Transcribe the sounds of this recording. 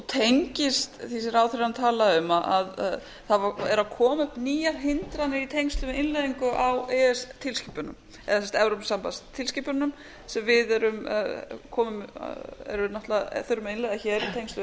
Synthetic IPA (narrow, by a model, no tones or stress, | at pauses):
ut̪ʰejŋɲcɪst̪θis̬ɪɾaːwθɾeant̪ʰaːlaʏmaʔað | θavaɛɾakʰɔːmʏhpniːjaɾ̥ɦɪnt̪ɾanːɪit̪ʰejŋst̪lʏɪnlɛðiŋkʏʔawɛːɛst̪ʰɪlsciːpʏnʏm | ɛ̰ðasɛmst̪ɛvɾowpsampast̪ʰɪlsciːpʏɾnʏm | sɛmvɪðɛɾʏmkʰɔːmʏmɛ̰ɾʏnaht̪laθœɾʏmɪnɛðaçɛːɾit̪ʰejŋst̪ʏ